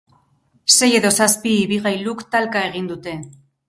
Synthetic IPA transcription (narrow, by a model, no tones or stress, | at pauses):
se̞je̞ðo̞saspiːβiɣajlukt̪alkae̞ɣ̞ind̪ut̪e̞